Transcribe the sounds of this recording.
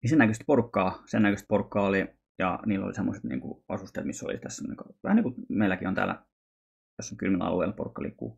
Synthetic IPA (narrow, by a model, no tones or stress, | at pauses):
nisenækøst̪porukːɑːsenːækøst̪̚porukːɑːoli | jɑ̰niːlːo̰lisemːoset̪nḭːŋkṵɑsust̪ḛˑːt̪misːo̰lḭt̪æsːneŋkɑʋæhnekumeilˑækiont̪æ̰ːlːæ̰ | josːɑŋkylmilɑ̰lueˑilporukːɑlḭːkːṵː